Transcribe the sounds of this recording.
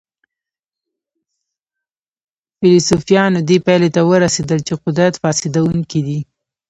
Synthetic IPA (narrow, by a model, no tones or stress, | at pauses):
fɪlosufijɑnod̪epajlet̪awəɾased̪əlt͡ʃeqʊd̪ɾat̪fɑsɪd̪awuŋkid̪i